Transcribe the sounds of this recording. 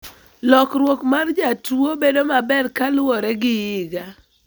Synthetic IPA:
lɔkɾwokmard͡ʒatuobedomabɛrkalwɔɾɛɡɪjɪɡa

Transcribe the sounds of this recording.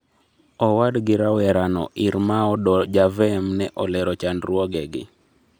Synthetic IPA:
ɔwadɡɪɾawɛɾanɔ̰ʔiɾmaɔdɔd͡ʒavɛmnɛʔɔlɛɾɔt͡ʃandɾwɔɡɛɡɪ̰

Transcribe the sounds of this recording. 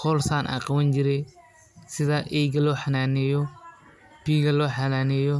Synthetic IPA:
hɔlsaːnʔa̰ːqɑwɐnd͡ʒɪɾɛj | sɪðɐʔɛjɡɐlɔːħanaːnɛːjɔ | piːɡɐlɔːħɑnaːnɛːjɔ

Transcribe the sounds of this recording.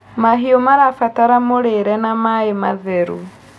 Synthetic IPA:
maɦiɔmaɾafataɾamoɾeɾɛnamaemaðɛɾṵ

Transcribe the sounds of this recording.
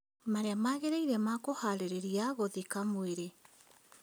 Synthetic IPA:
maɾeamaɣeɾaiɾɛmakohaɾeɾeɾiaɣoðikamoeɾe

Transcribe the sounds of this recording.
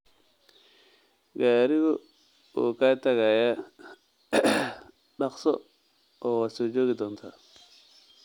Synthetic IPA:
ɡaːɾɪɣɔ | ṵːkaːt̪ʰɐɣaːja | ɖɑqsɔ | ɔːwasɔːd͡ʒɔːɣɪd̪ɔːnt̪ʰa̰ː

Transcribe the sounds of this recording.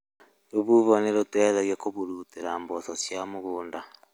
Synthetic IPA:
ɾoβuβoneɾotwɛðaɣjakoβuɾuteɾambososjamuɣuːnda

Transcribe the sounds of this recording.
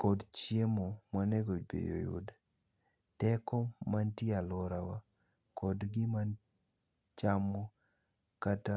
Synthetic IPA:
kɔdt͡ʃjemɔmwaneɡobḛjo̰jṵd | tɛkɔmantɪalɔɾawa | kɔdɡɪman | t͡ʃamɔ | kata

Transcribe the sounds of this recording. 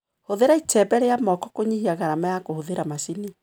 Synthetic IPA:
hoðeɾaitɛbɛɾejamɔkɔkoɲihiaɣaɾamajakohoðeɾamasini

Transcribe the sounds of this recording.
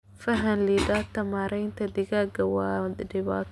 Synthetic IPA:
fɐɦɐnlid̪aːt̪ʰɐmaːɾɛjnt̪ʰɐd̪ɪɣaːɡɐwɑːdɪβaːt̪

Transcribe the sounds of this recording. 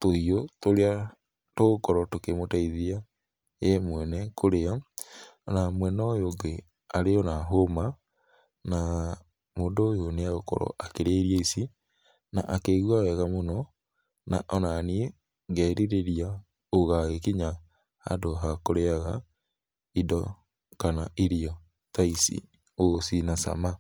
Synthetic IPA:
toijotoɾea | toɣokɔɾɔtokemotaiðia | jɛmwɛnɛkʰoɾea | ɔnamwɛnɔjoŋɡe | aɾeɔnaɦoma | na | moːndoːjoneaɣokɔ̰ɾɔ̰ʔakeɾeɾieisi | na̰ʔakeɣwawɛɣamonɔ | na̰ʔɔnanie | ɡɛɾiɾeɾia | oɣaɣekiɲa | a̰doɦakoɾeaɣa | idɔ | kanaiɾiɔ | taisḭ | osinasa̰ma

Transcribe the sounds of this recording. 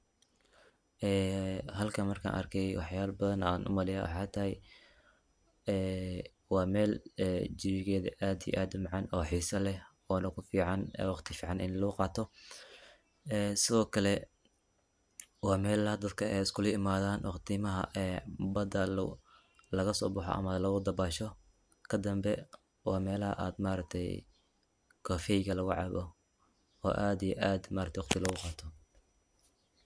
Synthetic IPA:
ʔɛːhɐlkʰɐmɐrkʰa̰ːnʔɐ̰rkʰɛjwɑħjaːlbɐðɐnaːnʔʊ̰mɐlɪja̰ːwɑ̰ħɑːt̪ʰɐɦɛj | ɛː | wɑːmɛːlɛd͡ʒɪβɪɣɛːðɐ̰ʔaːd̪ijɛ̰ʔaːd̪ʊmɑʕɑnɔːħiːsɐlɛh | ɔːnɐkʰʊfiːʕɑnːwɑqt̪ʰɪfiːʕɑnʔɪnlɐʊqɑːt̪ʰɔ | ɛːsɪðɔːkʰɐlɛ | wɑːmɛːlɐhɐd̪ɐd̪kʰɐɛjɪskʰʊlɐɪmaːðaːnwʔɑqt̪ʰimɐɦɐ̰ʔɛbɐd̪ɐ̰ | lɐɣɐsɔ̰ːbʊħɔ̰ʔɐ̰mɐlɐɣʊd̪ɐbaːʃɔ | kʰɐd̪ɐmbɛ | wɑ̰ːmɛːlɐɦɐ̰ʔa̰ːd̪maːɾɐk̚t̪ʰɛj | kʰɔːfɛjɣɐlɐɣʊʕɑ̰βɔ | ɔ̰ːʔaːd̪ijɛʔaːd̪maːɾɐkt̪ʰɛwɑqt̪ʰɪlɐɣʊqɑːt̪ʰɔ

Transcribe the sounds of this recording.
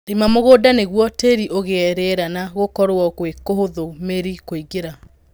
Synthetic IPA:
demamoɣoːdaneɣwɔteɾiʔoɣeɛɾeɾanaɣokɔɾoɔkwekoɦoðomeɾikoiɡeɾa

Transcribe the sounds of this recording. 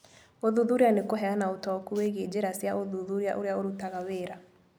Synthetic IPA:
oðuðuɾianekoɦɛanaotɔkuweɣed͡ʑeɾasjaʔoðuðuɾiaʔoɾeaoɾutaɣaweːɾa

